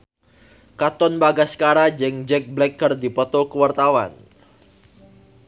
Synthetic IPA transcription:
kat̪ɔnbaɡasə̥kaɾad͡ʒɛŋd͡ʒɛk̚blɛkːərdipɔt̪ɔkəwart̪awa̰n

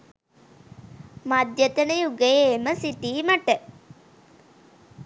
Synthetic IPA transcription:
mɐd̪jət̪ɐnəjuɡejeːməsit̪iːmɐʈə

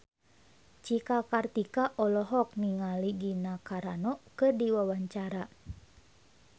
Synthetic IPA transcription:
t͡ʃikakart̪ikaʔɔlɔɦɔk̚niŋaliɡinakaɾanɔkɨrdiwawaɲt͡ʃaɾa

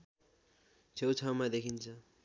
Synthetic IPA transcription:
t͡sʰewt͡sʰawmad̪ekʰint͡sʰʌ

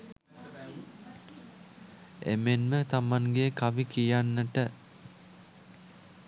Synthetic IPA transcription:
ḛmenmət̪amaŋɡekaʋikijanːəʈə

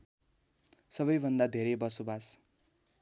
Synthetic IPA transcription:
sʌbʌjbʱʌnd̪ad̪ʱeɾʌjbʌsobas

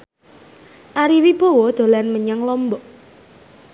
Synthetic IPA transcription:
ʔaɾiwib̥o̤wɔd̪̥o̤lanməɲaŋlɔmbɔʔ

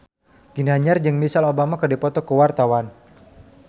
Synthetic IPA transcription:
ɡ̥inaɲard͡ʒɨŋmisalobamakərdipɔt̪ɔkəwart̪awan

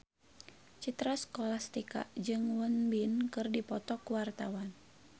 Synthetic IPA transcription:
t͡ʃit̪ɾaskɔlast̪ika̰d͡ʒɨŋwənbinkɨrdipɔt̪ɔkwart̪awan

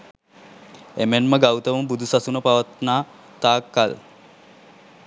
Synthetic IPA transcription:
emenməɡawt̪əʋəmbud̪ʱusasunəpaʋat̪naː | t̪aːkːal

